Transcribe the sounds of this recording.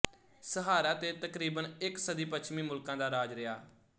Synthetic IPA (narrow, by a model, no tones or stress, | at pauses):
səɦaːɾaːt̪eːt̪əkɾiːbənɪksəd̪iːpət͡ʃʰmĩːmʊlkãːd̪aːɾaːd͡ʒɾɪjaː